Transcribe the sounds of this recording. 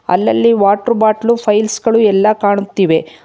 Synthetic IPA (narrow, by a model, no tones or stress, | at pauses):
ɐ̰lːɐlːiʋaːʈɾubaːʈlupʰɐjlsɡɐɭuɛlːɐkaːɳut̪ːiːʋe̞